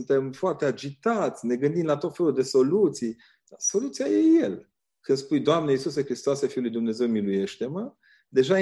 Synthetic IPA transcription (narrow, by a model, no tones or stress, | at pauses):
nt̪e̞mfoart̪e̞ad͡ʒit̪at̪sʲne̞ɡɨnd̪imlat̪o̞t̪fe̞luld̪e̞so̞lut̪sij | d̪̥aso̞lut̪sijajejel | kɨnspujd̪oamneisus̬ekɾist̪oasefiulujd̪umne̞ze̞wmiluje̞ʃt̪e̞mə | d̪e̞ʒa